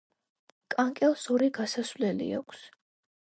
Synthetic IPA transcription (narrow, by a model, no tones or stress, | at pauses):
kʼaŋkʼɛlˠsɔɾiɡasaswvlɛlḭa̰kʰs